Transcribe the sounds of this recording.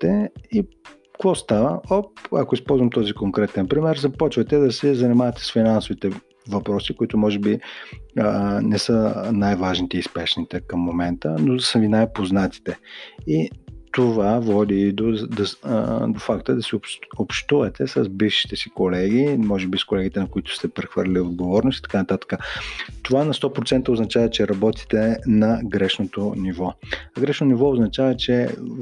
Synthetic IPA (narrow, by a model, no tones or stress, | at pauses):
t̪ɛi | kvɔst̪avəɔpa̰koispɔlˠzvɐmt̪ɔzikoŋkɾɛt̪ɛnpɾimɛɾzɐpɔt͡ʃvɐt̪ɛd̪ɐsɛzɐnimavɐt̪ɛ̥sfinansovit̪ɛ | vɐpɾɔsikoit̪ʊmɔʒɛbi | nɛsənajvaʒnit̪ɛispɛʃnit̪ɛkɐmːomɛnt̪ənod̪ɐsəvinajpoznat̪i̥t̪ɛit̪ovavɔd̪id̪od̪d̪ofakt̪əd̪ɐsioopʃt̪uvɐt̪ɛsəzbifʃi̥t̪ɛsikolɛɡimɔʒɛbiskolɛɡit̪ɛnɐkoit̪ʊ̥st̪ɛpɾɛxvəɾlʲiod̪̚ɡovɔɾnosit̪ɐ̥kanɐt̪at̪ə̥kət̪ovanɐst̪ɔpɾot̪sɛnt̪əoznɐt͡ʃavɐt͡ʃɛɾɐbɔt̪i̥t̪ɛnɐɡɾɛʃnot̪onivɔɐɡɾɛʃnoonivɔʊznɐt͡ʃavət͡ʃɛ